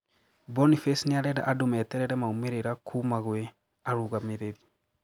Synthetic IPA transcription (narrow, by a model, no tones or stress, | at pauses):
bɔnifɛsniaɾɛɾa̰ʔadomɛtɛɾɛɾɛmaumeɾeɾakʰumaɣwɛ | aɾuɣameɾeɾi